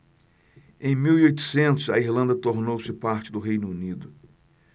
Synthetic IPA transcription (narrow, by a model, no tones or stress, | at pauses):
ẽj̃miwiojt̪ʊ̥sẽnt̪ʊzɐiɾlɐ̃nd̪ɐt̪oɾnowsɪpaɾt͡ʃɪd̪ʊɦejnʊunid̪ʊ